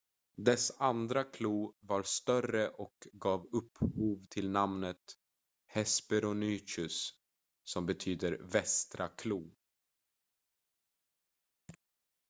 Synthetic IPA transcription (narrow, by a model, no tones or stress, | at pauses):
d̪ɛsand̪ɾakʰluːvaɾst̪œrəʔɔkɡɑːvɵpːhuːvt̪ʰɪlnamnət̪ | hɛspɛɾʊnyːt͡ʃɵsː | ɔmbɛt̪ʰyːd̪əɾvɛst̪ɾʔakʰluː